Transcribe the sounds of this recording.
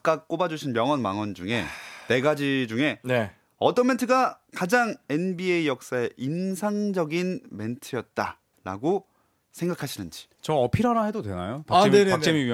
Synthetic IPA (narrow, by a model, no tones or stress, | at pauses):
k͈ak̚k͈obad͡ʑuɕʰinmjʌŋʌnmaŋʌnd͡ʑuŋe̞̰ne̞ɡad͡ʑid͡ʑuŋe̞ne | ʌt͈ʌnmentʰɯɡakad͡ʑaŋe̞nbieijʌk̚s͈ae̞ʔinsʰaŋd͡ʑʌɡinme̞ntʰɯjʌt̚t͈a | ɾa̰ɡo | sʰe̞ŋɡakʰaɕʰinɯnd͡ʑi̥ | t͡ɕʌʌpʰiɾanaɦedodwe̞najopaeneakt͡ɕemii